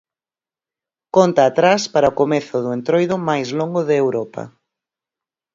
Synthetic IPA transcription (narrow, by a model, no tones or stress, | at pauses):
kɔnt̪aːt̪ɾaspaɾɐokomeθʊðʊent̪ɾojðʊmajzloŋɡʊðɪewɾɔpɐ̰